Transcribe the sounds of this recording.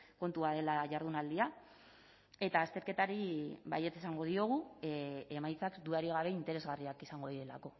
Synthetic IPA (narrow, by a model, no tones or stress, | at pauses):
ko̞nt̪uað̞e̞laʝaɾð̞unald̪ia | e̞t̪aːst̪e̞ɾke̞t̪aɾiβa̰je̞t͡sesaŋɡo̞ðio̞ɣ̞u | emajt͡sakd̪uaɾiɣ̞aβe̞int̪e̞ɾe̞zɣariakisaŋɡo̞ðiɾe̞la̰ko̞